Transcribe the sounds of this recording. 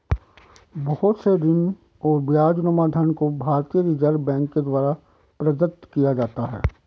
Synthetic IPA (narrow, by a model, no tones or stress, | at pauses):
bɔhʊt̪sed̪ɪn | ɔːɾbjaːd͡ʒnəmad̪ʱənkobʱaːɾt̪ijəɾiːd͡ʒəɾbɛ̃ːŋkːed̪waːɾa | pɾɐd̪ət̪kijad͡ʒaːt̪aɦɛ̰ː